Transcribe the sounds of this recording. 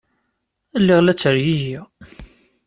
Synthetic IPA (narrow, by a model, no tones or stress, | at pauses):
lːiʁlæt͡sːəɾjiʝi